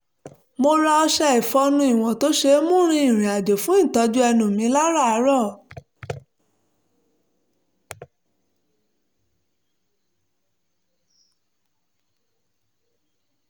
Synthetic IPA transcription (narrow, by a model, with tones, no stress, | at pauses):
mo˧ɾa˧ɔ˧ʃɛ˧i˨fɔ˧nũ˧i˨w̃ɔ̃˨to˨˦ʃe˧˦mũ˦˨˦ɾ̃ĩ˧ĩ˦˨ɾ̃ĩ˨a˨d͡ʒo˨fũ˨˦ĩ˦˨tɔ˨˧d͡ʒu˦ɛ˧nũ˨mĩ˨˦la˦ɾa˦˨a˨˦ɾɔ˦˨